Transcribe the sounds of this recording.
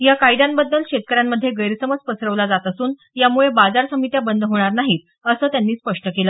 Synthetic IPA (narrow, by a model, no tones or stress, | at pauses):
jakajd̪anbəd̪ːəlɕet̪̚kəɾjamːəd̪ʱːjeɡəjɾsəməd͡zpəsɾəʋlad͡zat̪əsuːn | jamuɭebad͡zaɾsəmit̪jabənd̪ʱɦoɽ̃aɾnaɦiːt̪̚ | əsəːt̪janːiːspəʂʈəkeləː